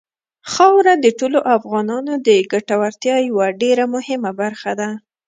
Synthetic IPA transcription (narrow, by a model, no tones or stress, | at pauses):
xɑwɾad̪əʈoloʔafɣɑnɑnod̪əɡaʈawaɾt̪jɑjawaɖeɾamʊhɪmabaɾxad̪a